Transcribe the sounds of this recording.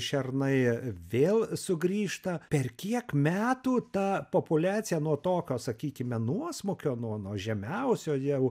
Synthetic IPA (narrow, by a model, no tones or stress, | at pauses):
ʃʲɛrnɐɪʋʲeːlˠsʊɡɾʲiːʃt̪ɐpʲɛrkʲiɛkmʲæːt̪uːt̪ɐpopʊlʲæːtt͡s̪ʲɪjɛnuɔt̪oːkʲoːsɐkʲiːkʲɪmʲɛnuɔsmʊkʲoːnuɔnuɔʒʲɛmʲɛʊsʲoːjɛʊ